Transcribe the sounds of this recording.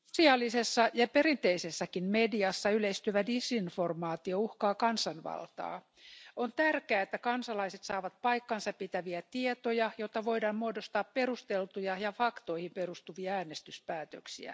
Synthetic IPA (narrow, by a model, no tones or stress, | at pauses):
siɑlːisesːɑjɑpeɾint̪eisesːɑkinmediɑsːɑyleist̪yøʋædisinformɑːt̪iouhkɑːkɑnsɑnʋɑ̰lt̪ɑ̰ː | ont̪ærkeæːet̪ːækɑnsɑlɑiset̪sɑːʋɑt̪pɑikːɑnsɑpit̪æʋiæt̪iet̪ojɑjot̪ːɑʋoidɑːmmuodost̪ɑːpperust̪elt̪ujɑjɑfɑkt̪oihimperust̪uʋiɑæːnest̪yspæːt̪ø̰ksḭæ̰